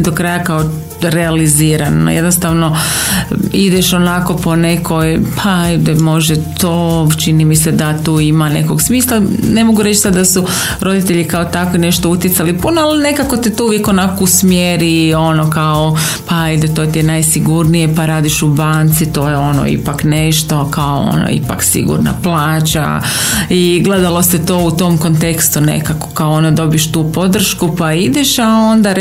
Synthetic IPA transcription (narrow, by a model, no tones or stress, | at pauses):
d̪okɾajakao | ɾealiziːɾano̰jed̪nost̪aʋno̞ | id̪eʃo̞nako̞po̞ne̞kʰo̞jpʰaajd̪emo̞ʒet̪oːt͡ʃinimise̞d̪at̪uːimane̞̰koɡsmiːslˠane̞mo̞ɡuɾe̞t͡ʃsad̪d̪asu | ɾo̞d̪it̪e̞ʎikaot̪akʋine̞ʃt̪o̞ut̪jet̪salipunoalne̞kako̞t̪it̪ouʋjeko̞nakousmjeɾio̞nokao | paid̪et̪o̞ːt̪ienajsiɡuɾnije̞paɾaːd̪iʃubaːnt̪sit̪oːjeo̞no̰ḭpakne̞ʃt̪o̞kaoo̰no̰ḭpa̰ksḭɡṵɾna̰plˠaːt͡ʃa̰ | iɡle̞d̪alo̞set̪o̞ːut̪o̞mko̞nt̪e̞kst̪unḛkako̥kaoond̪ad̪o̞bijʃt̪uːpo̞d̪r̩ʃkupaid̪eʃao̞nd̪a